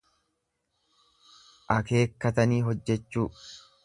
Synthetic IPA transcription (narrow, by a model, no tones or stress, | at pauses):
ʔɐke̞ːkːɐt̪ɐniːɦɔd͡ʒːɛt͡ʃːuː